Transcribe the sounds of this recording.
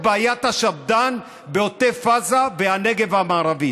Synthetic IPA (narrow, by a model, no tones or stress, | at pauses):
baːjat̪haʃavd̪an | beot̪efazabeaneɡe̞vamaːʁavi